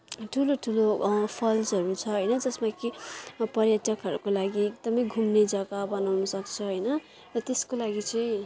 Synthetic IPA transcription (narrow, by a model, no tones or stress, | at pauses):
ʈʰuloʈʰulopʰʌld͡zɦʌɾut͡sʰʌɦʌjnʌd͡zʌsmakipʌrjatʌkɦʌɾukolaɡiek̚d̪ʌmʌjɡʱumned͡zʌɡabʌnawnʌsʌkt͡sʰʌɦʌjnʌ | rʌt̪eskolaɡit͡sʌ̃j̃